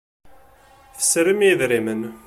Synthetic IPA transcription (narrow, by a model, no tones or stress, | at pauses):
θə̥sɾimjiðɾimən